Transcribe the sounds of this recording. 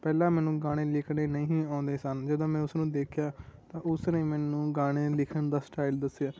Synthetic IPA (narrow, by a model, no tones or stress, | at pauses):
pɛːlãːmɛːnũːɡaːɽ̃eːlɪkʰneːnəĩːĩːãːʊnd̪eːsənd͡ʒəd̪õːmɛ̃ːʊsnũːd̪eːkʰjaːt̪ãːʔʊsnẽːmɛːnũːɡaːɽ̃eːlɪkʰənd̪aːsʈaːild̪əsːɪjaː